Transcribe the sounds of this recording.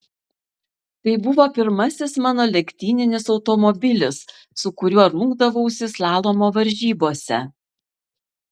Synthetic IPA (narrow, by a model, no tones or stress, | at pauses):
t̪ɐɪbʊʋoːpʲɪɾmɐsʲɪsmɑːnoːlʲɛkʲt̪ʲiːnʲɪnʲɪsɒʊt̪ɔmɔbʲɪlʲɪsː | ʊkʊɾʲuɔɾʊŋɡd̪ɐʋoʊʃʲsʲɪslˠɑːlˠoːmoːʋɐɾʲʒʲiːboːsʲɛ